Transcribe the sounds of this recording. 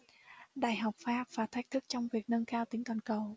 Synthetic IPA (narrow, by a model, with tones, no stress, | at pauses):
ɗa̰ː˧˨jɦa˨˩wk͡p̚faː˦˥p̚v̥aː˨˩t̪ʰk̚t̪ʰɨ˦˥k̚t͡ɕɔ˧wŋ͡mvi˨˩ək̚nə˧nkaː˧wt̪ï˨˩˦ŋt̪waː˨˩nkə˨˩w